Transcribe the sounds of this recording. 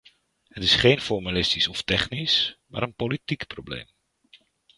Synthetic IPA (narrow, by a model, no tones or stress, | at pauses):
hətɪsχejnfɔrmalɪstisɔftɛχnisma̰ːɾənpolitikprowblḛjm